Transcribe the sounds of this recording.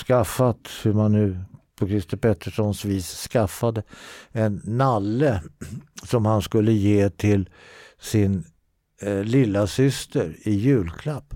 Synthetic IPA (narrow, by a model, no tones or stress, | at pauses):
skafːat̪hɵɾmanːʉ̟ːpʰɔkʰɾɪst̪əpʰɛt̪ʰːəʂɔnsviːsːkafːad̪əɛnːalːə | sɔmhanskɵlːəjeːt̪ʰɪl | sɪn | lɪlːasʏst̪əɾɪjʉ̟ːlkʰlapː